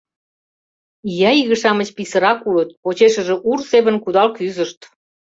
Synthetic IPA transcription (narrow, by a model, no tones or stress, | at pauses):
jɑiɣəʃɑmət͡ɕpisəɾɑkulət̪̚pot͡ɕeʃəʒeʔurseβə̆nkud̪ɑlkyzəʃt̪